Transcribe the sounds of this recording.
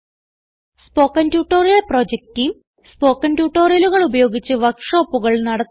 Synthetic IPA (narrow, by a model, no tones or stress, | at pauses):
spo̞ːkːɐntjuːʈːo̞ːrjɐlproːd͡ʑek̚tijm | spo̞ːkːɐntjuːʈːo̞ːrijɐluɣɐɭubɐjo̞ːɡit͡ɕːɨʋɐkʂo̞ːpːuɣɐɭnɐɽɐ